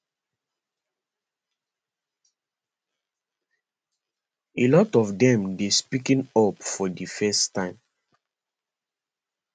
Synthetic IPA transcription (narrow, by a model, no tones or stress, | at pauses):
elɔtɔfdɛ̃mdespikĩnɔpfɔdifɛstːãɪ̃m